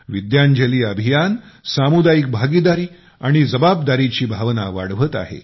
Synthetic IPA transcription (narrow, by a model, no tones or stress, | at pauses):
ʋid̪jaɲd͡ʑəliːəbʱijansamud̪ajik̚bʱaɡid̪aɾiː | aɽ̃id͡zəbap̚d̪aɾit͡ɕiːbʱaʋna̰ʋa̰ɽ̤ʋət̪a̰ɦḛ